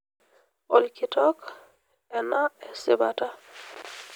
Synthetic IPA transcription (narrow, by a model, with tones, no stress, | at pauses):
ɔ˨lkitɔ˦k | ɛ˨na˦ɛ˨sɪ̰˨ba˨ta˦